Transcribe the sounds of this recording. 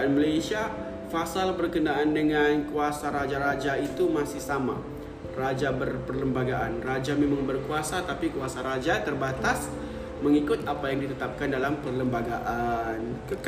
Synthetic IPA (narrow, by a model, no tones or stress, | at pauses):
nməlajsia | fasalbərkənaʔandəŋankuasaɾad͡ʒaɾad͡ʒait̪umasɪhsama̰ | rad͡ʒabərpərləmbaɡaʔanrad͡ʒamemaŋbərkuasat̪apikuasaɾad͡ʒat̪ərbat̪as | məŋikʊt̪apajaŋdit̪ət̪ap̚kandalampərləmbaɡaʔank